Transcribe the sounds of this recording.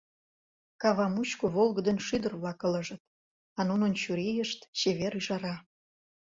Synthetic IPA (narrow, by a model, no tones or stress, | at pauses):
kɑβɑmut͡ɕkoβolɣə̆d̪ə̆nʃyd̪ərβlɑkə̆lə̆ʒə̆t̪̚ | ɑnunə̆nt͡ɕuɾejəʃt̪t͡ɕeβeɾyʒɑɾɑ